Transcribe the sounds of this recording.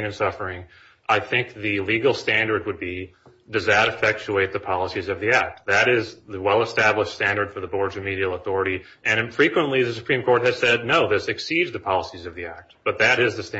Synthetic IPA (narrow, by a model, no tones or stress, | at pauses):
nɨ̃nsʌfə˞ɪ̃ŋ | ʔaɪθɪ̃ŋk̚ðɨliɡl̩ˠstæ̃ndə˞d̚wəd̚bi | dʌzðɨɾɨfɛk̚t͡ʃʉeɪt̪̚ðɨpʰɑlˠəsizʌvðiæk̚t̪̚ðɨɾɪzðɨwɛlˠəstæbləʃtstæ̃ndə˞d̥fə˞ðəbɔɹdzʌvmiɾil̩ˠəθɔɹɨɾi | ʔɨ̃nfɹikwə̃nʔliðɨsɨ̥pʰɹ̥ĩmkʰɔɹt̚hɨz̥sɛdⁿnoʊðɪsɨksidzðɨpʰɑlˠəsizʌvðiæk̚t̚b̥ʌt̪̚ðɨɾɪzðɨst